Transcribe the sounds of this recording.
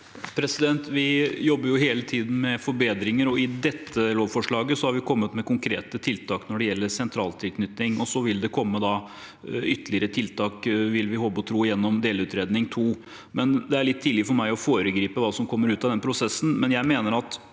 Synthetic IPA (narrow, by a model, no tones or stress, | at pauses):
pʰɾɛsɪd̪ɛnt̪ʋɪjɔbːəɾjʊɦeːlət̪ʰiːd̪n̩mɛfɔɾbeːd̪ɾɪŋəɾɔɪd̪ɛt̪ʰːəloːʋfɔʂɭɑːɡəsɔhɑɾʋɪkʰɔmːət̪mɛkʊŋkʰɾḛːt̪ət̪ʰɪlt̪ʰɑːknɔɖɛjɛlːəɾsɛnt̪ʰɾɑːlt̪ʰɪlkʰnʏt̪nɪŋɔsɔʋɪld̪ɛkʰɔmːəd̪ɑ | ʏt̪ːəlɪəɾət̪ʰɪlt̪ʰɑːkʋɪlʋɪɦɔbːɔt̪ʰɾuːjɛnːɔmd̪eːlʉːt̪ɾeːd̪nɪŋt̪ʰuː | mɛnd̪ɛæɾɭɪt̪ʰːiːlɪfɔɾmæɪɔfoːɾəɡɾiːpəʋɑːsɔmkʰɔmːəɾʉːt̪ɑʋd̪ɛnəpʰɾʊsɛsːn̩mɛnjæɪmeːnəɾɑt̪